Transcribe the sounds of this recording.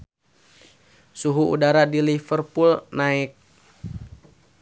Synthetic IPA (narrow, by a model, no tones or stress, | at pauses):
suɦuṵdaɾadilifərpulnaɪk̚